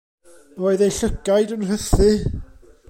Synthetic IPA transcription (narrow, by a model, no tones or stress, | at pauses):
oɨðejɬəɡajdənrəθɨ